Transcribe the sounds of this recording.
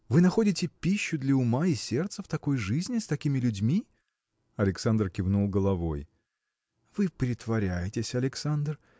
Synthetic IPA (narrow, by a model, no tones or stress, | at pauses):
vɨnɐxo̞dʲɪtʲɪpʲiɕːʊd̪lʲɐʊmaɪsʲe̞rt̪səft̪ɐko̞jʐɨzʲnʲɪst̪ɐkʲimʲɪlʲʊdʲmʲi | ɐlʲɪksand̪rkʲɪvnulˠɡəlˠɐvo̞j | vɨpɾʲɪt̪vɐɾʲæjɪtʲɪsʲɐlʲɪksand̪r